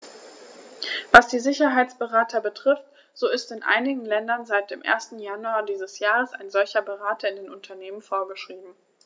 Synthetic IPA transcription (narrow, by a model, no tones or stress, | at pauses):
vasd̥iːzɪçɐɦaɪt͡sb̥əʁaːtʰɐbətʁ̥ɪft | z̥oːɪstɪnʔa̰ɪnɪɡŋ̩lɛndɐnzaɪt̚d̥eːmʔḛːɐstn̩januaːdiːzəsjaːʁəsa̰ɪnzɔlçɐbəʁaːtʰɐɪndeːnʔʊntʰɐneːmənfoːɐɡəʃʁ̥iːbm̩